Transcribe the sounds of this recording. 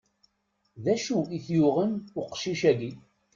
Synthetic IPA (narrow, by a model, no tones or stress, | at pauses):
ðæʃuiθjʊʁənʊqʃiʃæɡi